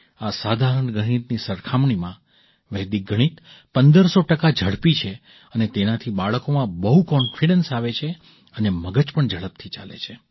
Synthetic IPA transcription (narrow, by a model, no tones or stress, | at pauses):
asad̪ʱaɾəɳɡʱəɽ̃it̪nisəɾkʰamɳimã | ʋɛɦd̪ik̚ɡʱəɽ̃it̪pənd̪əɾsoʈəkad͡ʒʱəɭpit͡ʃʰe | ənet̪enat̪ʰibaɭkomãbəɦukɔnfiɖənsaʋet͡ʃʰe | əneməɡəd͡ʒpəɳd͡ʒʱəɭəp̚t̪ʰit͡ʃalḛt͡ʃʰe